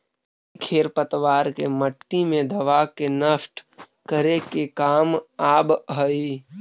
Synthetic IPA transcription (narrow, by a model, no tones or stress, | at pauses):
kʰeːɾpət̪ʋaːɾkeməʈːimẽd̪ɐʋakenəsʈ | kəɾekekaːmaːbɦəi